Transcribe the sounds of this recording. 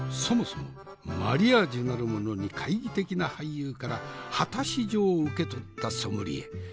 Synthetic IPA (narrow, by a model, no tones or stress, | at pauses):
so̞mo̞somo̞̰ | ma̰ɾʲiad͡ʑinaɾɯ̟mo̞no̞ɲ̟ikʰaiɡʲit̪e̞kʲinahaijɯːkaɾahat̪aɕiʑo̞ːɯke̞t̪o̞t̪ːaso̞mɯɾʲḭḛ